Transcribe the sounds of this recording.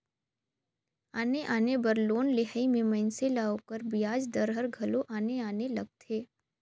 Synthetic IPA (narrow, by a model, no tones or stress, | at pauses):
aːneʔaːnebɐɾloːnlɪɦaimẽmɛ̃ːnselaokəɾbijaːd͡ʒd̪əɾɦəɾɡʱɐloʔaːneaːnelɐɡ̚t̪ʰeː